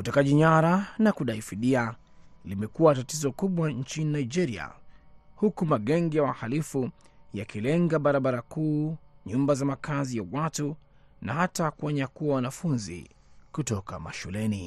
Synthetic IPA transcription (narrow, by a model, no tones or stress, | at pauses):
utɛkaʄiɲaɾanakuɗaifiɗia | limɛkuwatatizɔkuɓwaɲt͡ʃininaid͡ʒɛɾia̰hukumaɠɛŋɡijawahalifujakilɛŋɡaɓaɾaɓaɾakuːɲumbazamakazijawatu | nahatakuɔɲakuwawanafunzḭ | kutɔka̰ma̰ʃulɛni